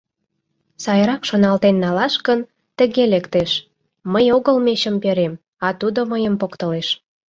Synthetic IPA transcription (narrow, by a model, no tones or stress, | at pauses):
sɑjɾɑkʃonɑlt̪enːɑlɑʃkən | t̪ə̆ɣelekt̪eʃ | məjoɣəlmeɕəmpeɾem | ɑt̪ud̪oməjəmpokt̪əleʃ